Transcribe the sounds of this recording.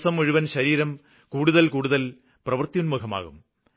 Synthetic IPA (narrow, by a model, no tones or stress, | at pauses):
sɐmuɻuʋɐnɕɐɾiːɾɐm | kuːɽuðɐlkuːɽuðɐl | prɐʋɐrt̪ijunmukʰɐma̰ːɣum